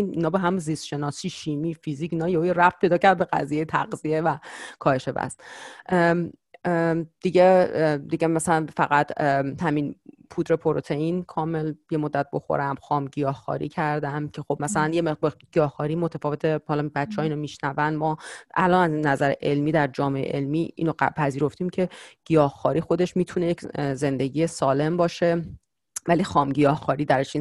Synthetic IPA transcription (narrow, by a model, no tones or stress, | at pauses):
ininɒːbeɦæmunzist̪ʃe̞nɒːsiːʃiːmiːfiziːcinɒːjeujeɾæft̪pʰejd̪ɒːcʰæɾd̪̚be̞ɡæ̰zijejet̪ʰæ̰ɡzievækʰɒːhe̞ʃe̞væ̰st̪ | d̪̥iɟed̪iɟemæsælænfæɣæt̪ʰhæmin | pʰuːt̪ɾe̞pʰo̞ɾot̪ʰe̞inkʰɒːme̞lje̞mod̪ːæt̪̚bo̞̰xo̰ɾæmxɒːmɟijɒːhxɒ̰ːɾḭːcʰæɾd̪æmcʰe̞xo̞bmæsælænjemebeɡ̥ijɒːhxɒːɾiːmot̪ʰæfɒːve̞t̪ʰehɒlɒbætt͡ʃːehɒːiːnomiʃnævænmɒːʔælɒːnæznæzæɾḛʔe̞lmiːd̪æɾd͡ʒɒːme̞ḛʔelmiːḭnoæpʰæziːɾo̞ft̪iːmcʰe̞ɡ̥ijɒːhxɒːɾiːxo̞d̪eʃmiːt̪ʰunejecze̞nd̪e̞ɟiːjesɒːle̞mbɒːʃe̞ | vælixɒːmɟijɒːhxɒːɾiːd̪æɾeʃin